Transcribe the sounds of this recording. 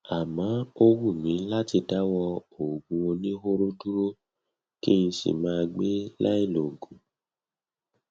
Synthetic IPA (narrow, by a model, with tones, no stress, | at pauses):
a˨mã˨˦o˧wu˦˨mĩ˨˦la˦ti˧da˨˦wɔ˧o˨ɡũ˧wo˧nĩ˦ɦo˦ɾo˦du˦ɾo˦ | ki˦i˧sḭ˨mãː˦˧ɡ͡be˦la˦i˦˨lo˨ɡũ˨˦